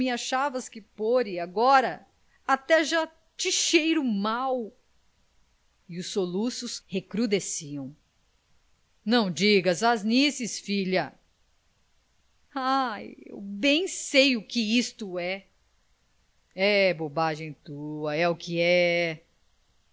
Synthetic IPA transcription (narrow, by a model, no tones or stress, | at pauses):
mɪaʃavɐskɪpoɾɪaɡɔɾɐ | at̪ɛʒa | t͡ʃɪʃejɾʊmaw | ɪʊsːolusʊshekɾud̪esiɐ̃w̃ | nɐ̃w̃d͡ʒiɡɐzaznisɪsfiʎɐ | ajḛwbẽj̃sejʊkɪist̪ʊɛ | ɛbobaʒẽj̃t̪uɐɛʊkɪɛ